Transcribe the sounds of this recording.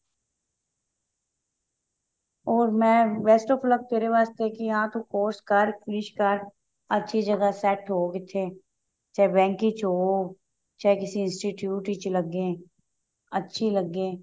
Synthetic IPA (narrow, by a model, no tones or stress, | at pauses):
ɔːɾmɛ̃ːʋeːsʈoːflək̚t̪eːɾeʋaːst̪ekijɐɦãt̪okoːɾskəɾkɾiʃkəɾ | ɐtːʃʰid͡ʒɐɡasɛʈɦoːɡet̪ʰeː | t͡ʃaːebɛ̃ːŋkit͡ʃoː | t͡ʃaːekɪsiɪ̃nsʈiʈjuːʈit͡ʃlɐɡẽː | ɐtːʃʰilɐɡẽː